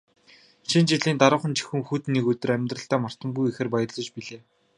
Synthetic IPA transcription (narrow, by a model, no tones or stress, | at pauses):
ʃint͡ɕiɮiːnt̪aɾə̆χə̆nt͡ɕi̥xŭŋxut̪nːiːkɵt̪ɵ̆ræmʲt̪rə̆ɬt̪æːmar̥t̪ə̆mɡujixĕrpajə̆rɮɞ̆t͡ɕpiɮeː